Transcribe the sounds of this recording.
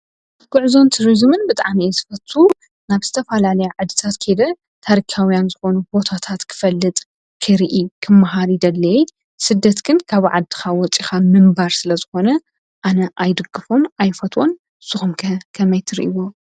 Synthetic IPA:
kɨʕzo̞nt̪ʰuɾizmɨnbɨt̪ʼaʕmiɛzɨfɐt̪ʰːu | naβz̥ɨt̪ʰɐfɐlalɐjuʕɨd̪ːɨt̪ʰat̪kʰed̪ɐ | t̪ʰaɾikʰawjanzɨxo̞nubo̞t̪ʰat̪ʰat̪kʰɨ̥fɐlːɨt̪ʼ | kʰɨɾiʔikʰɨmːaɦaɾid̪ɐlːɐ | sɨd̪ːɐt̪ɡɨnkʰaβʕa̰d̪ːɨ̥xawɔt͡sʼixamɨmbaɾsɨlɐzɨxo̞nɐ | ʔanɐʔajd̪ɨɡːɨfo̞najfɐt̪ʰwo̞n | sɨxumkʰɐmɐjt̪ʰɨɾiʔiwo

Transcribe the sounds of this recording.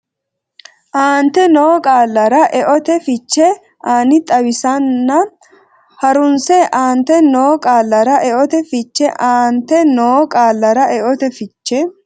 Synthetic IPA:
ʔaːnt̪ɛnoːkʼaːlːɐɾɐʔɛʔɔt̪ɛfɪt͡ʃːɛ | aːnɪt̪ʼɐwɪsɐnːɐ | hɐɾʊnsɛʔaːnt̪ɛnoːkʼaːlːɐɾɐʔɛʔɔt̪ɛfɪt͡ʃːɛʔaːnt̪ɛnoːkʼaːlːɐɾɐʔɛʔɔt̪ɛfɪt͡ʃːɛ

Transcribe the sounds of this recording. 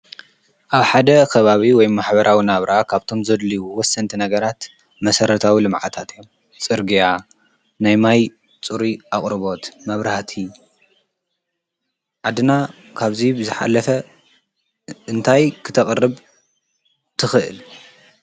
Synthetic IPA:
ʔaβħad̪ɐkʰɐβaβiwɔjmaħbɐɾʔawinaβɾʔakʰaβt̪ʰo̞mzɐd̪liwuwɔsːɐnt̪ʰinɐɡɐɾat̪ | mɐsɐɾɐt̪ʰawilɨmʕa̰t̪ʰat̪ɨjom | t͡sʼɨɾɡija | najmaj | t͡sʼuɾiaχʼɾɨβo̞t̪mɐβɾaht̪ʰi | ʕad̪ɨna | kʰaβzibɨzɨħa̰lɐfɐ | ʔɨnt̪ʰajkʰɨ̥t̪ʰɐχʼrːɨβ | t̪ʰɨxɨʔɨ̰l

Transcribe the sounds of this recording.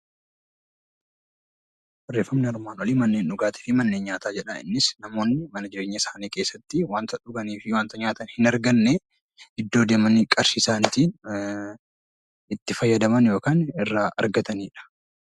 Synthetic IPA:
bɐrːe̞ːfːɐmnɪɐɾmaːnɐliːmɐnːeːnʊɡaːt̪ɪ̥fɪmɐnːeːnɲaːt̪aːd͡ʒɛᶑɐɪ̰nːɪsnɐmo̞ːnːɪmɐnɐd͡ʒɪɾe̞ːɲːɐɪsaːniːke̞ːsːɐt̪ːɪwaːnt̪ɐᶑʊɡɐniːfɪwaːnt̪ɐɲaːt̪ɐnhɪnɐɾɡɐnːe | ɪd̪ːo̞ːd̪e̞ːmɐnikʼɐɾsɪsaːnt̪iːn | ɪt̪ːɪfɐjːɐd̪ɐmɐnjo̞ːkaːnɪrːaːʔɐ̰ɾɡɐt̪ɐniːᶑɐ̥

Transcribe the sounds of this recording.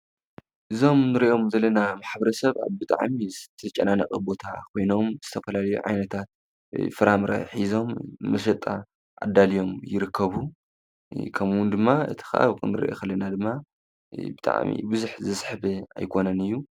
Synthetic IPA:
ʔɨzo̞mnɨɾiʔo̞mzɐlːɐnamaħbɐɾɐsɐβa̰βbɨt̪ʼa̰ʕmizɨt̪ʰɐt͡ʃʼːɐnanɐkʼɐbo̞t̪ʰa̰kʰo̞jno̞mz̥ɨt̪ʰɐfɐlalɐjṵʕa̰jnɐt̪ʰat̪̚ | fɨɾamɾʔa̰ħizo̞mːɐʃ̬ɐt̪ʼa | ʔa̰d̪alijo̞mjɪɾɨkʰːɐβu | kʰɐmwʊnd̪ɨmːaɨ̰t̪ʰi̥xɐʔa̰βkɨnɨɾḭʔo̰xkɐlːɐnad̪ɨmːa | bɨt̪ʼa̰ʕmḭbɨzuħzɨsħbea̰jkʰo̞nɐnɨjːu

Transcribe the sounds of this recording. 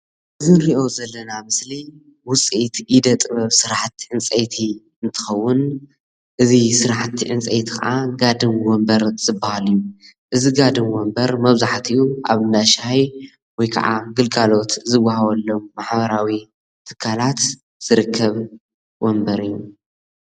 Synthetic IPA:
ʔɨzɨɾiʔo̞zɐlːɐnamɨsli | wʊt͡sʼit̪ʔid̪ɐt̪ʼɨβɐβsɨɾaħt̪ːiʕɨnt͡sʼɐjt̪ʰi | ɨnt̪ʰɨ̥xɐwːʊn | ʔɨzisɨɾaħt̪ʰːiʕɨnt͡sʼɐjt̪i̥kʰa̰ʔaɡad̪ɨnwombɐɾz̥ɨbahaliju | ʔɨziɡad̪ɨmwombɐɾmɐβzaħt̪ʰiuʔaβɨndaʃhaj | wɔjkʰɐ̰ʕa̰ɡɨlkʼalo̞t̪zɨwahɐβɐlːomːaħβɐɾawi | t̪ʰɨ̥kʰːalat̪ | z̥ɨɾɨkʰːɐβ | wombɐɾɨjːu

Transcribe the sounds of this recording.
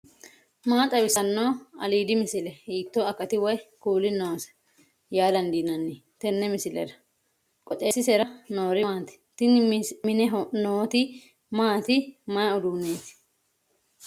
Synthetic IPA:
maːt̪ʼɐbɪsɐnːoːɐ̰liːd̪ɪmɪsɪlɛhiːt̪ːoːɐkːɐt̪ɪwɔjkuːlɪnːoːsɐ̥ | jaːd̪ɐnd̪iːnɐnːi | t̪ɛnːɛmɪsɪlɛ̰ɾɐ | kʼɔt̪ʼeːsːɪsɛɾɐnoːɾɪmaːt̪ɪ̥t̪ɪnmɪnɛɦnoːt̪ɪ | maːt̪ɪmɐjʊd̪uːneːt̪ɪ̥

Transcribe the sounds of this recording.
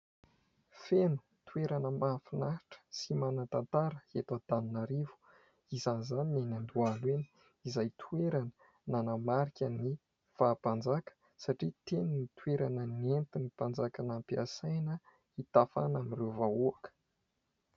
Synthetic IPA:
fenu̥ | t̪ueɾanəmafinaʈ͡ʂə̥simanat̪ant̪aɾəet̪ad̪aninaɾivu̥ | izanzaninanand̪ualweni̥ | izajt̪ʰuweɾanə̥ | nanamaɾikʲəni | faːpand͡zakə̥ | saʈ͡ʂit̪eninit̪ueɾanənent̪inipand͡zakanampia̰sajnə | it̪afa̰naminrewvauakə̥

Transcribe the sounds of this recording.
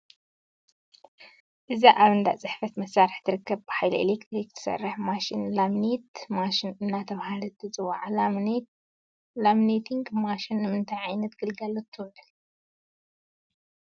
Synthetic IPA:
ʔɨzaʔaβɨnd̪a̰ʔt͡sʼɨħfɐt̪mɐsːaɾɨħt̪ʰɨɾɨkːɐβbɨħajlɐʔḛlekt̪ɾikt̪ʰɨ̥sɐ̰rːɐħmaʃinlamnet̪maʃinɨnːat̪ʰɐβhalɨt̪ʰːɨt͡sʼɨwːaʕl | lamnet̪ʰiŋɡmaʃinːɨmɨnt̪ʰajʕajnɐt̪ɡ̥ɨlɡɐlot̪ʰːɨwʕɨl

